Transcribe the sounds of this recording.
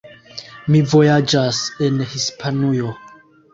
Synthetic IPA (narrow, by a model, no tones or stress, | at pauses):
mivo̞jad͡ʒase̞nhispʰanujo̞